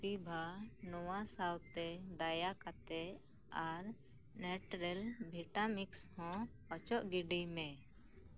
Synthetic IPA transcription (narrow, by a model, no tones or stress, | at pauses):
t̪ibʱanɔwasawt̪ɛd̪ajakat̪ɛ | aɾ | nɛʈɾɛlbʱiʈamikshɔ̃ | ɔt͡ʃɔʔɡiɖimɛ̃